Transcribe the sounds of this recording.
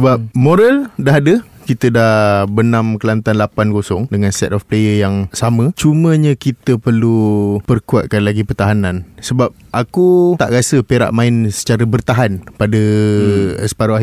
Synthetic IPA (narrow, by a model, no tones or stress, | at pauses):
səbap̚moɾaldaɦadə | kit̪ədahbənãmkəlant̪anlapanɡosʊŋdəŋansɛ̰t̪ɔfplejəjaŋsamə̃t͡ʃumə̃ɲə̃kit̪əpərlupərkua̰t̪̚kanlaɡipərt̪aɦanãnsəbap̚ʔakut̪aʔɾasəpeɾa̰ʔmãɪnsə̥t͡ʃaɾəbərt̪aɦanpadə | əspaɾaa